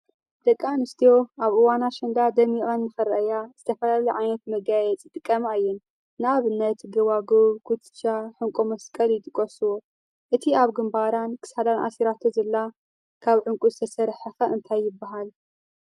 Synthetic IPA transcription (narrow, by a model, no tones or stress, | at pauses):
d̪̥ɐkʼːanɨst̪ʰijo̞ʔaβɨwanaʃɐnd̪ad̪ɐmiʔʼɐnːɨxɨɾɐʔɐjaz̥ɨt̪ʰɐfɐlaliʕajnɐt̪mɐɡajɛt͡sʼjɪt̪ʼɨkʼːɐmaɨjːɛn | naβɨnːɐt̪ɡɐwaɡoβkʰut̪t͡ʃaħɨŋkʼomɐskʼɐljɪt̪ʼɨkʼːosɨwo | ʔɨt̪ʰiaβɡɨmbaɾankʰɨ̥shalanʔa̰siɾat̪ʰozɐlːa | kʰaβʕɨŋkʼuzɨt̪ʰɐsɐɾħɐxaʔɨnt̪ʰajːɪbːaɦal